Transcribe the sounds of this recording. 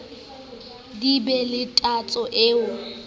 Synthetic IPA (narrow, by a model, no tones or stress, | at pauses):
dibɛlɪtʼat͡sʼɔʔeːʊ